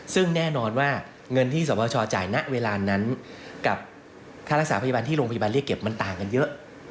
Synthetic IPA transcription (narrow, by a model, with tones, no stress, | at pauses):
sɯ˥˩ŋnɛː˥˩nɔː˧nwaː˥˩ | ŋɤ˧nt̪ʰiː˥˩sɔː˩˦pʰɔː˧t͡ɕʰɔː˧t͡ɕa̰ː˨˩jna˦˥ʔweː˧laː˧na˦˥nka˨˩p̚ | kʰaː˥˩ɾa˦˥ksaː˩˦pʰja˧ba˧nt̪ʰiː˥ɾoː˧pʰa˧ja˧ba˧li˥˩əkːe˨˩p̚ma˧nt̪aː˨˩ŋka˧njɤ˦˥ʔ